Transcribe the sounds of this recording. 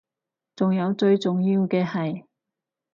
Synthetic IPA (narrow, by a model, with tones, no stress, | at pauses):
t͡sʊ˨ŋjɐ˨˧wt͡ʃɵ˧ɥt͡sʊ˨ŋjiː˧wkɛː˧hɐ˨j